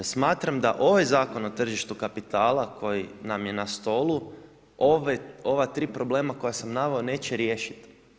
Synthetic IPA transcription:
smaːt̪ɾamd̪aʔo̞ʋajzaːko̞no̞t̪r̩ʒiʃt̪ukapit̪aːlakʰo̞jinamje̞nast̪o̞lˠu | oʋeo̞ʋat̪ɾiːpɾo̞ble̞ːmako̞jasamnaʋeone̞ːt͡ɕɛɾje̞ːʃi̥t̪

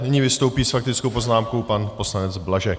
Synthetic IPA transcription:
nɪɲiːvɪst̪o̞wpiːsfak̚t̪ɪt͡skowpo̞znaːmko̞wpanpo̞slanɛd͡zblaʒɛk̚

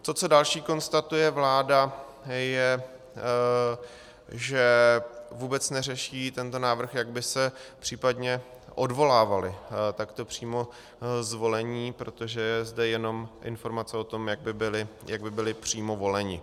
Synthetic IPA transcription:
t̪o̞t͡so̞dalʃiːko̞nst̪at̪ujɛvlaːda | jɛ | ʒɛvuːbɛt͡snɛrɛʃiːt̪ɛnt̪o̞naːvɾr̩xjaɡbɪsɛpr̥iːpadɲɛ | ʔodvo̞laːvalɪt̪akt̪o̞pr̥iːmo̞ | zvo̞lɛɲiːpɾo̞t̪o̞ʒɛjɛzdɛjɛno̞mʔɪ̰nfo̞ɾmat͡sɛo̞t̪o̞mjaɡ̚bɪbɪlɪjaɡ̚bɪbɪlɪpr̝̥iːmo̞vo̞lɛɲɪ̰

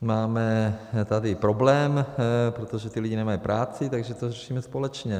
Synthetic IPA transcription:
maːmɛt̪adɪpɾo̞blɛːmpɾot̪oʒɛt̪ɪlɪɟinɛmajipɾʔaːt͡sɪt̪aɡʒɛt̪orɛʃiːmɛspolɛt͡ʃɲɛ

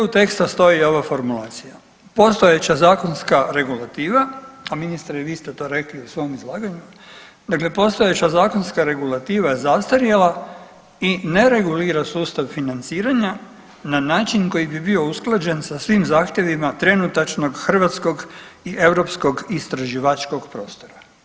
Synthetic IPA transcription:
ut̪e̞kst̪ast̪o̞io̞ʋafo̞ɾmulˠaːt̪sija | po̞st̪ojet͡ɕazaːko̞nskaɾe̞ɡulˠat̪iːʋaaminist̪aɾeʋiːst̪et̪o̞ːɾe̞kliusʋo̞mizlˠaːɡaɲu | d̪akle̞po̞st̪o̞jet͡ɕazaːkonskaɾe̞ɡulˠat̪iːʋazast̪aɾjela | ine̞ɾe̞ɡuliːɾasuːst̪aʋfinant̪siːɾaɲa | nanaːt͡ʃinko̞jibibiousklˠad͡ʑe̞nsasʋimzaːxt̪je̞ʋimat̪ɾe̞nut̪at͡ʃno̞ɡxr̩ʋat̪sko̞ɡ | iʔeʋɾo̞psko̞ɡist̪ɾaʒiʋat͡ʃko̞ɡpɾo̞̰ːst̪o̞ɾa

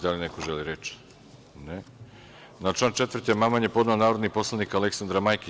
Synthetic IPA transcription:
d̪alinekoʒeliɾet͡ʃ | ne | nat͡ʃlˠaːnt͡ʃet̪vr̩t̪emamanjepo̞d̪naonaːɾod̪nipo̞slˠanikaleksand̪ɾamajki

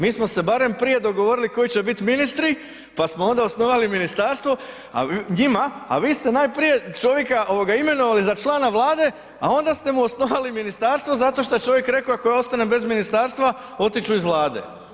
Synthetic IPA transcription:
miːsmo̞se̞baɾe̞mpɾije̞d̪o̞ɡo̞ʋo̞ɾiliko̞jit͡ɕe̞bit̪minist̪ɾi | pasmoo̞nd̪aosno̞ʋaliminist̪aːɾst̪ʋo̞ | a̰ɲima̰ːʋiːst̪e̞naːjpɾije̞t͡ʃo̞ʋje̞kaʔo̞ʋo̞ɡaime̞no̞ʋalizat͡ʃlˠaːnaʋlˠaːd̪e̞ | a̰o̞nd̪ast̪e̞muosno̞ʋaliminist̪aːɾst̪ʋo̞zat̪o̞ʃ̬t̪ojet͡ʃo̞ʋjekɾe̞koakojao̞st̪ane̞be̞zminist̪aːɾst̪ʋa | o̞t̪it͡ʃuizʋlˠaːd̪e̞̰

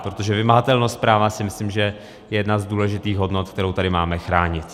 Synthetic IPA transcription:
pɾot̪o̞ʒɛvɪmaɦat̪ɛlnost̪̚pɾaːvasɪmɪslimʒɛ | jɛjɛdnazduːlɛʒɪt̪iːxɦo̞dno̞t̪̚kt̪ɛɾowt̪adɪmaːmɛxɾaːɲɪt̪

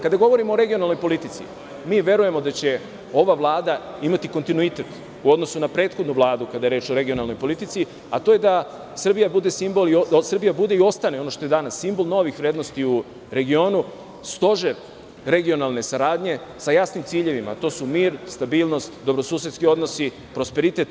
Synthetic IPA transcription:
kad̪aɡo̞ʋo̞ɾimoːɾe̞ɡio̞nalnojpo̞lit̪it̪sḭ | miːʋje̞ɾuje̞mo̞d̪at͡ɕe̞ | o̞ʋaʋlˠaːd̪a | imat̪ikont̪inuit̪e̞t̪ | uo̞d̪nosunapɾe̞ːt̪xo̞d̪nuʋlˠaːd̪ukad̪aje̞ɾe̞ːt͡ʃoɾe̞ɡio̞nalˠno̞jpo̞lit̪it̪si | at̪oje̞d̪a | sr̩bijabud̪e̞simbo̞liosr̩bijabud̪e̞io̞st̪ane̞o̞noʃt̪o̞jed̪anasːimbo̞lˠno̞ʋixʋɾe̞ːd̪no̞st̪iu | ɾe̞ɡio̞ːnu | st̪o̞ʒe | ɾe̞ɡio̞nalˠne̞saɾaːd̪ɲe̞sajasnimt̪siːʎe̞ʋima̰t̪o̞ːsumiːɾst̪abiːlˠno̞st̪d̪o̞bɾo̞suːs̬jet̪skio̞d̪no̞si | pɾo̞speɾit̪e̞t̪

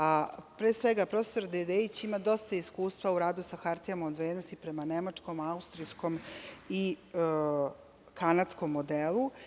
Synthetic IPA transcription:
apɾesʋe̞ɡapɾost̪oɾd̪ed̪eit͡ɕimad̪o̞st̪aiskuːst̪ʋauɾaːd̪usaxaɾt̪iamaod̪ʋɾed̪nost̪ipɾemanemat͡ʂko̞maust̪ɾisko̞mi | kʰanat̪sko̞mːod̪elˠu

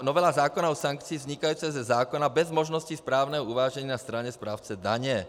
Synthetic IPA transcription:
nɔʋɛlazaːkɔnaɔsaŋkt͡siːvzɲikajuːt͡sɛzɛzaːkɔnabɛzmɔʒnɔscispɾaːʊnɛɦɔuʋaːʒɛɲinast̪ɾaɲɛspɾaːʊt͡sɛd̪a̰ɲɛ

